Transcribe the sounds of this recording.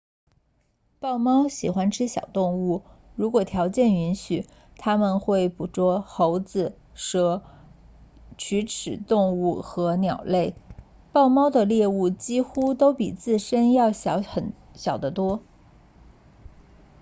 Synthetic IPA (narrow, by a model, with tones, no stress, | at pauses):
pɑ˥˩ʊmɑ˥ʊɕi˨˩xwa˥nʈ͡ʂʰɻ̩˥ɕjɑ̰˨˩ʊt̪ʊ˥˧ŋu˥˩ɻu˧˥kwɔ˨˩t̪ʰjɑ˧˥ʊt͡ɕjɛ˥˩ni˧˥nɕy˨˩˦ | t̪ʰa˥mə˨nxwe˥˩ɪpu˨˩ʈ͡ʂwɔ˥xo˧˥ʊd͡zɹ̩˧ | ʂɤ˥˩ | t͡ɕʰy˧˥ʈ͡ʂʰɻ̩˨˩t̪ʊ˥˧ŋu˥˩xɤ˧˥njɑ˨˩ʊle˥˩ɪ | pɑ˥˩ʊmɑ˥ʊd̪ə˨ljɛ˥˧u˥˩t͡ɕi˥xu˥t̪o˥ʊpḭ˨˩t͡sɹ̩˥˩ʂə˥njɑ˥˩ʊɕɑ˧˥ʊxə˨˩n | ɕjɑ˨˩ʊd̪ə˦t̪wɔ˥